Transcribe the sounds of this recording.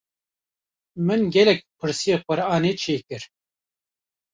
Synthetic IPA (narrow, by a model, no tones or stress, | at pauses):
mɨnɡʲɛlɛk̚pʰɨɾsijeːqʷɨɾaːneːt͡ʃʰeːkɨɾ